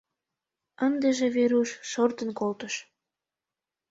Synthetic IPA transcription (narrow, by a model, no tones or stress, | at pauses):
ənd̪eʒeβeɾuʃːort̪ənkolt̪əʃ